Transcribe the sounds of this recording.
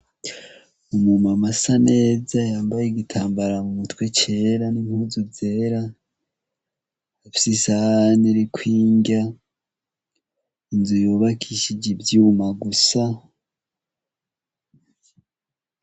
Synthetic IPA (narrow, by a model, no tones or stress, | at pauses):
umumamasane̞ːzajaːmbajeɡitʰaːmbaɾamumutkwe̞t͡ʃe̞ːɾanimhuːzuze̞ːɾa | afi̥sisahniɾikʰwiːɲɟa | inzujuβakʰiʃid͡ʒibjumaɡusa